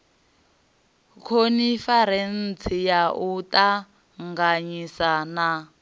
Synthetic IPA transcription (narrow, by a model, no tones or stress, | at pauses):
kʰonifaɾen̩t͡sʰijaʔutʼa | ŋɡaɲisana